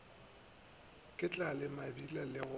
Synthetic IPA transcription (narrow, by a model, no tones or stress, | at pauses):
kʼɪt͡ɬʼalɪmabilalɪɣʊ